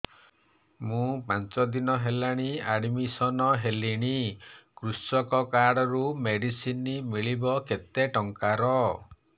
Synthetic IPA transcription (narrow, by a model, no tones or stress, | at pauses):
mũpant͡ʃɔd̪inɔɦelaɽ̃iaɽmisɔnɔɦeliɽ̃ikɾusɔkɔkaɽɔɾumeɽisinimiɭibɔket̪eʈɔŋkaɾɔ